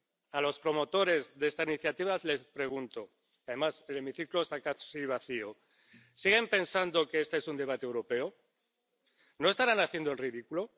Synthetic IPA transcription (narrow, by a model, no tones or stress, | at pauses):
alo̞spɾo̞mo̞t̪o̞ɾe̞zðest̪asiniθjat̪iβ̞azle̞spɾe̞ɣ̞unt̪o̞ | aðe̞mase̞le̞miθikloest̪akasiβ̞aθio | siɣ̞e̞mpe̞nsand̪o̞keest̪esund̪e̞β̞at̪eewɾo̞pe̞o | no̞est̪aɾanaθje̞nd̪oelriðikulo̞